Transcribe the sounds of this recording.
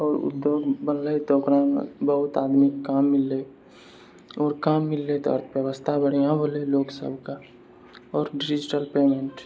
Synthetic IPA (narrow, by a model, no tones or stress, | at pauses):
ɔːɾʊ̰d̪joːɡbənlət̪okɾaːnbəɦʊt̪aːd̪mikːaːmːɪlːe | ɔːɾkaːmːɪlːet̪oə̰ɾt̪ʰbjəwəst̪ʰabəɽ̤ijãbʱoleloːksə̰bʱka | ɔːɾɖid͡ʒd͡ʒɪʈəlpeːmẽɳʈ